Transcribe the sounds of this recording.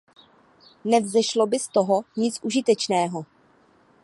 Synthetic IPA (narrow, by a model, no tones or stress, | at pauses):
nɛvzɛʃlo̞bɪst̪oɦo̞ɲɪt͡sʔuʒɪt̪ɛt͡ʃnɛːɦo̞